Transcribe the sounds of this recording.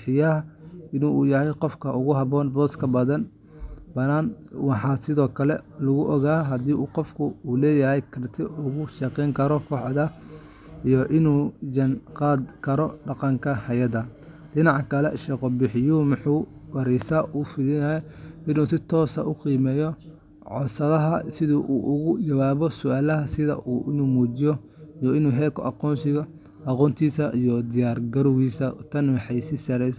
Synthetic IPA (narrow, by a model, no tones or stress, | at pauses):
bħɪjɐɪnuːjɐɦɛjqɔfkʰɐʔʊɣʊɦɐβɔːnbɔːskʰɐbɐðɐn | bɐnaːnwɑħɑːsɪðɔːkʰɐlɛlɐɣʊʔɔɣaːɦɐd̪iːʔuːqɔfkʰʊuːlɛːjɐɦɛjkʰɐrt̪ʰɪʔʊɣʊʃɐqɛːŋkʰɐɾɔkʰɔːʕðɐ | ijɔʔɪnuːd͡ʒɐnqɑːd̪kʰɐɾɔɖɑqɑŋkʰɐhɐjɐðɐ | ɖɪnɑʕkʰɐlɛʃɛqɔbɪħɪjumʊħuː | wɐɾɛjsɐʔuːfɪðɪjɐɦɛɪnuːsɪt̪ʰɔːsɐ̰ʔʊqiːmɛːjɔ | ʕɔsɐðɐɦɐsɪðuʔuːʔʊɣʊt͡ʃɐwaːβɔsʊʔaːlɐɦɐsɪðɐ̰ʔuːʔɪnuːmuːt͡ʃɪjɔ | ijɔɪnuːɦɛːlkʰʊ̰ʔɑqɔːnsɪɣɐ | ʔɑqɔːnt̪ʰiːsɐʔijɔd̪ɪjaːrɡɐɾʊɣiːsɐt̪ʰɐnwɑħɑjsɪsɐɾɛjs